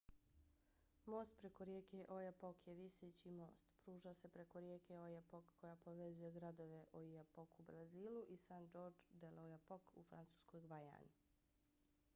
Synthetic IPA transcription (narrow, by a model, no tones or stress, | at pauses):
mo̞ːst̪̚pɾe̞koɾjeːkeʔojapokjeʋiset͡ɕimo̞̰ːst̪pɾuːʒase̞pɾe̞ko̞ɾjeːkeojapokːo̞japo̞ʋe̞zuje̞ɡɾad̪o̞ʋe̞ʔoijapokubɾaziːlˠuʔisand͡ʒo̞ːɾd͡ʒd̪elojapokṵfɾa̰nt̪su̥ːsko̞jɡʋaja̰ːni